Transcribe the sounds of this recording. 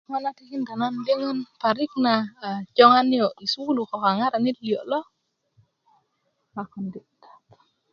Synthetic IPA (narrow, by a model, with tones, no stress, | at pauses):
ŋa˦natiki˦nda˨nandi˦ŋɔ˦npaɾik̚nad͡ʒɔ˦ŋanjɔi˨sulu˨kɔ˨ka˨ŋa˦ɾa˨ni˦tli˨ɔ˨ʔlɔ˦ | lakɔnditḁ